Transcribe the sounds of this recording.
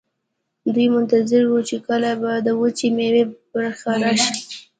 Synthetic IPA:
d̪ujmʊnt̪azɪɾwut͡ʃekəlabad̪əwət͡ʃimewebaɾxaɾɑʃi

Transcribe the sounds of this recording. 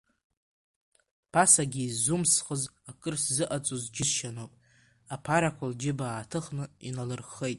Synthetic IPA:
pʰasaɡʲiːzumsχəzakʼɨrszɨʔat͡sʼozd͡ʒɪsʃanopʼ | apʰaɾakʷʰald͡ʒɪbaːtʰɨχnɨḭnalɨrχːejtʼ

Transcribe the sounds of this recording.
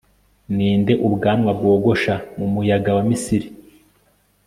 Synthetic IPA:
niːnde̞ʔubɡaːmŋabɡo̞ːɡo̞ʃamumujaɡawamisiɾi

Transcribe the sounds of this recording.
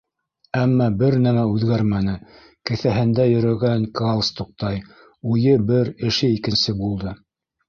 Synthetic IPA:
æmːɑbɘɾnæmæʉðɡæɾmænɘ | kɘ̆θæɦɘ̆nd̪æjɵ̆ɾɵ̆ɡæŋkɑlˠst̪uq̚t̪ɑj | ujɤbɘɾɘ̆ʃɘikɘ̆nsɘbulˠd̪ɤ

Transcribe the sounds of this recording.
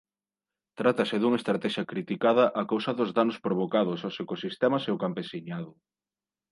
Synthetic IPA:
t̪ɾat̪ɐsɪðuŋɐest̪ɾat̪ɛʃɐkɾit̪ikaðɐʔakowsɐðʊzðanʊspɾoβ̞okaðʊsosekosist̪ɛmɐseʊkampesiɲaðʊ

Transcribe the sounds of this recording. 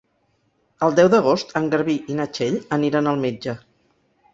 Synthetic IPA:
əlˠd̪ɛwðəɣ̞ost̪əŋɡəɾβiʔinət͡ʃeʎəniɾənəlˠmed͡ʒə

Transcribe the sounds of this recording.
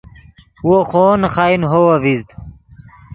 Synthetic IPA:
woxoːnxaːinɦowɐʋizd̪

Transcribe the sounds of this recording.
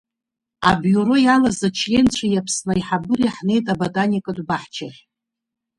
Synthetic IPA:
a̰bjuɾo̞jalazat͡ʃʰjent͡ɕʷʰajapʰsnaiħabɨriħne̞jtʼabotʼanikʼadʷbaħt͡ʃʰaʃ

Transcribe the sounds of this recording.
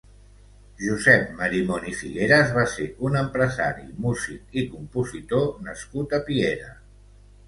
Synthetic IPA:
ʒuzɛp̚məɾimɔnifḭɣeɾəzβaseunəmpɾəza̰ɾḭmuzik̚ikumpuzit̪onəskut̪əpieɾə

